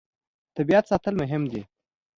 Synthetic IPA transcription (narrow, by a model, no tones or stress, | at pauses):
t̪abiat̪sɑt̪əlmʊɦɪmd̪i